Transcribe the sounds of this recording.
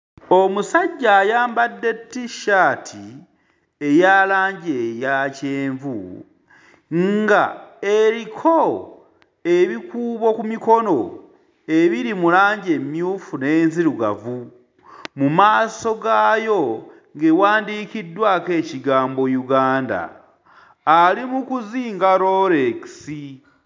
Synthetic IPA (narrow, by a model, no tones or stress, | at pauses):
omusaɟːaːjaːmbadːe̞tːiʃaːtʰi | ejaːlaːɲɟejaceːɱvu | ŋɡaeɾikʰo̞ | eβikuːβo̞kumiko̞no̞ | e̞βiɾimulaːɲɟe̞mjuːfune̞ːnziɾuɡa̰vu | mumaːso̞ɡaːjo̞ | ŋɡewaːndiːkidwake̞ːciɡaːmbo̞juɡaːnda̰ː | limukuziːŋɡaɾoɾeci̥si